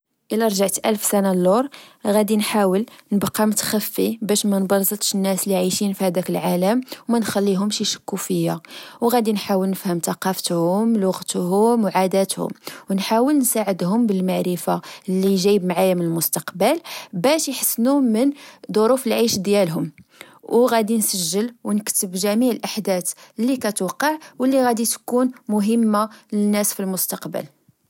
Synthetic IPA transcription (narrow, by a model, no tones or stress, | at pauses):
ʔəlæɾˤʒaʕt̪ʔælfsænalːoɾˤɣæd̪inħawəlnəbqʰːɑmʊt̪xæfːibæʃmænbɑɾˤzət̪ˤʃənːæsliʕiʃinfihæd̪ækəlʕaləmwmænxælːiɦʊmʃijʃə̥kːufəjːawɣæd̪inħawəlnəfhəmt̪ɑqɑft̪hʊmlʊɣt̪hʊmwʕad̪æt̪hʊ̰mwnħawəlnsaʕəd̪hʊmbəlmaʕɾəfalːiʒæjbmʕajamənəlmʊst̪ɑqbəlbæʃjħəsːnumənd̪ˤoɾufəlʕiʃd̪jælɦʊm | wɣæd̪insəʒːəlwnəkt̪əbʒæmiʕəlʔaħd̪æt̪lːikæt̪ʊqːəʕwəlːiɣæd̪it̪kunmʊɦəmːalənːæsfilmʊst̪ɑqbə̰l